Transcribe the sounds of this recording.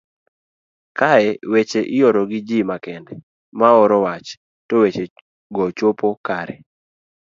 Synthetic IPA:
kaɛwet͡ʃeʔɪjɔɾɔɡɪd͡ʒimakɛndɛ | maɔɾɔwat͡ʃ | towet͡ʃe | ɡɔt͡ʃopokaɾɛ̰

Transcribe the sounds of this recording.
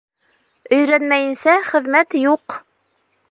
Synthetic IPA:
ɵ̆jɾænmæjɘ̆nsæχɘ̆ðmæt̪juq

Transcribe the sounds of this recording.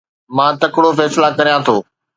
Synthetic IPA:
mãːt̪ɐkɽofɛːslakɐɾijãt̪ʰoː

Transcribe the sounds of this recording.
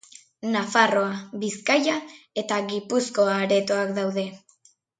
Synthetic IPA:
nafaro̞aβiskajae̞t̪aɣipusko̞aɾe̞t̪o̞akd̪awðe̞

